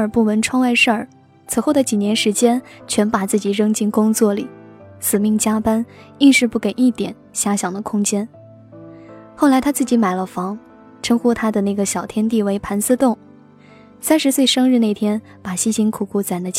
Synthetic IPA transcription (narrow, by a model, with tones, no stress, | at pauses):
ə˞˨˩pu˥˩mə˧˥nʈ͡ʂʰwɑ˥ŋwa˥˧ɪʂə˞˥˩ | t͡s̩ʰ˨˧˩xo˥˩ʊd̪ə˩t͡ɕi˨˩njɛ˧˥nʂɻ̩˧˥t͡ɕjɛ˥nt͡ɕʰɥɛ˧˥npa˨˩t͡sɹ̩˥˩t͡ɕi˨˩ɻɤ˥ŋt͡ɕi˥˩nkʊ˥ŋt͡swɔ˥˩lḭ˨˩˦sɹ̩˨˩mi˥˩ŋt͡ɕja˥pa˥ni˥˧nʂɻ̩˥˧pu˥˩kə˨˩ni˥˩t̪jɛ̰˨˩˦nɕja˥ɕjɑ˨˩ŋd̪ə˦kʰʊ˥ŋt͡ɕjɛ˥n | xo˥˩la˧˥ɪt̪ʰa˥t͡sɹ̩˥˩t͡ɕi˧˥ma˨˩ɪlə˦fɑ˧˥ŋ | ʈ͡ʂʰɤ˥ŋxu˥t̪ʰa˥d̪ə˨na˥˩ɪɡə˩ɕjɑ˨˩ʊt̪ʰjɛ˥nt̪i˥˩we˧˥ɪpʰa˧˥nsɹ̩˥˧t̪ʊ˥˩ŋ | sa˥nʂɻ̩˧˥swe˥˩ɪʂɤ˥ŋɻ̩˥˧ne˥˩ɪt̪ʰjɛ˥n | pa˨˩ɕi˥ɕi˧˥ŋkʰu˨˩kʰu˥˩t͡sa˨˩ɪd̪ə˧˦